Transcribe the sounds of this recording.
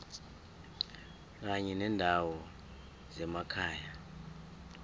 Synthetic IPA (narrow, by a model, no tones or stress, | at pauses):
k̬aɲɛnɛndʱawɔ | zɛmakʰaːja